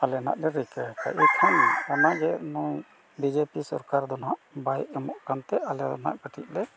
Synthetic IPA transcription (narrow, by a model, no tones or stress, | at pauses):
alɛna̰ʔlɛɾikaaka̰ʔɛkʰɔnɔnaɡɛnɔ | bid͡ʒepisɔɾkaɾd̪ɔnaʔbajɛmɔʔkant̪ɛʔalɛ̰na̰ʔkəʈʰiʔ̚lɛ